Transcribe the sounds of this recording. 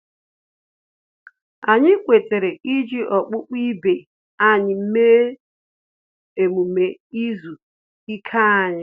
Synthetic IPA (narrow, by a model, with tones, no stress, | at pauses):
a˨ɲɪ˦kʷe˨te˨ɾe˨ʔi˦d͡ʒi˦ʔɔ˨k͡pʊ˦k͡pi˦be˨ | a˦ɲɪ˨m̩˦me˦ | e˨mu˨me˨i˦zu˨ | i˦kʰa˦a˦˨ɲɪ˦